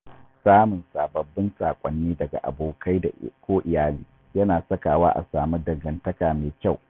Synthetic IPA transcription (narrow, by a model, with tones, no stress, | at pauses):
saː˦mʊ˨nsaː˨bɐ˨bːɪ˦nsaː˨kʷʼɐ˨nːiː˦dɐ˨ɡa̰˨ʔa̰˨boː˨kʰa˦jda̰˨kʷoː˦ʔɪ˨jaː˦liː˦ | jɐ˦naː˨sɐ˦kaː˨waː˦ʔa̰˨saː˨mu˦dɐ˨ɡɐ˨ntɐ˦kaː˨meː˨kʲa˦˨w